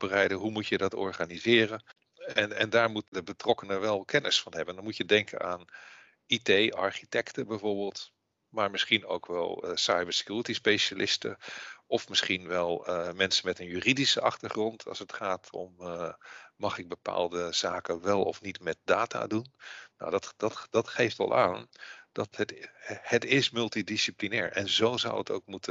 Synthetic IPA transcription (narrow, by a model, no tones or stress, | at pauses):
bərɛjdəɦumutjədɑtɔ̰ɹχanizɪːrən | ɛnɛ̰ndaːɹmutdəbətrɔkənəʋɛlˠkʰɛnɪsfɑnɦɛbəndɹmutjədɛŋkʰə̰na̰ːn | itejɑ̰ɹχitɛktəbɛjvoːɹbɪːlˠt | maːɹmɪsχino̰wkʋɛ̰lˠsajbəɹsə̥kjuːɹətispejʃalʔɪstə̰ʔɔfmɪsχinʋɛlˠmɛnsənmɛtənjyːridisəʔɑχtəɹχrɔntʰɑ̰sətχaːtʰɔ̰m | mɑχɪɡ̚bəpa̰ːlˠdəz̥aːkənʋɛlˠɔ̰fnitmɛt̚daːtʰa̰ːdunno̰wdɑtdɑtdɑtχejftʋɑ̰lˠʔa̰ːnd̥ɑtəthətɪsmɵlˠtidisiplinɛːɹʔɛ̰nzowzʌ̰wəto̰wk̚mutə